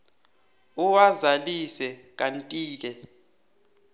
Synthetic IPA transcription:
uwazalisɛk̬antʼiːk̬ɛ

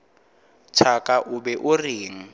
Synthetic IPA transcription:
t͡ʃʰakʼaʔʊbɛʔʊriːŋ̩

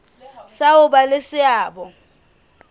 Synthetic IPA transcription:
saʊbalɪsɪaːbɔ

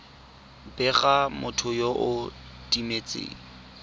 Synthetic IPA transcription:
bɛχamʊtʰʊjoʔʊd̥imet͡sʼḛːŋ̩

